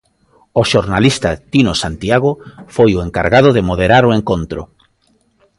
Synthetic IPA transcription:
oʃoɾnalist̪at̪inosant̪ijaɣ̞ofojoeŋkaɾɣað̞oðemoð̞eɾaɾoeŋkont̪ɾʊ̰

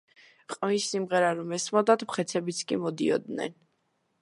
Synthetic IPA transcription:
qʼmisːimʁɛɾaɾɔmɛsmɔd̪at̪mχɛt̪sʰɛbit̪sʰkʼimɔd̪ḭɔ̰d̪nɛ̰n

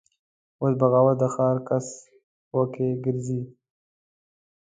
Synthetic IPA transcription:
wosbaɣɑwad̪əxɑːɾkas | wokeɡɪɾzi

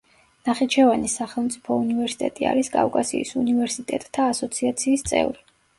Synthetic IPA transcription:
naχit͡ʃʰɛvanisaχɛlˠmt̪sʼi̥pʰɔunivɛɾsi̥t̪ʼɛt̪ʼia̰ɾiskʼa̰fkʼasḭːsunivɛɾsit̪ʼɛt̪ʼt̪ʰːaːsɔt̪sʰiat̪sʰiːst̪sʼɛ̰vɾi

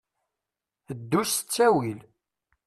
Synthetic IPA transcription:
əd̪ːusə̥t͡sːæwil

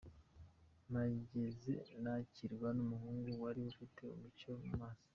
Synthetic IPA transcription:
maɟezenaciɾɡwanumuɦuːŋɡuwaɾiufitʰe̞ṵmicoumaːsḁ

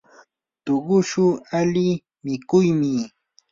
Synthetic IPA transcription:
t̪oɢʊʃʊalɪ | mɪkʊjmɪ

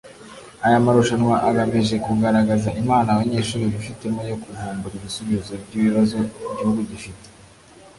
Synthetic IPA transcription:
ajamaɾuʃanwaʔaɡaβiʒe̞kuɡaɾaɡazaimaːnawaɲeːʃuːɾiβifite̞mojokuvuːmbuɾiβisuβizobɟiβiβazo̞ɟihuɡuɟifite̥

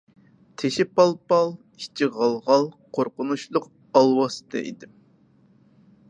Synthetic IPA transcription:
t̪ʰeʃɪpɑlˠpɑlˠ | i̥t͡ʃʰːiʁɑlˠʁɑlˠqʰoɾqʊnuʃlˠʊq | ɑlˠwɑsɨ̥t̪ʰɨ̰ʔḭd̪ɪm

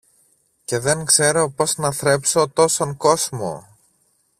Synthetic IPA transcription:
ce̞ðe̞ŋkse̞ɾo̞po̞snɐθɾe̞pso̞t̪o̞so̞ŋko̞zmo̞̰

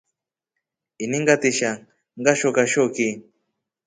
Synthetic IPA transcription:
iniŋɡat̪iʃa | ŋɢaʃokaʃoki

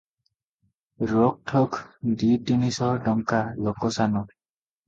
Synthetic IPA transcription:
ɹɔk̚tʰɔkdidinisɔɹdɔŋkalɔkɔsanɔ

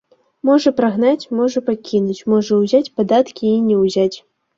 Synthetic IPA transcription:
mɔʐɐpɾaɣnat͡sʲmɔʐɐpakʲinut͡sʲmɔʐɐwzʲat͡sʲpad̪at̪kʲiːnʲɛwzʲat͡sʲ

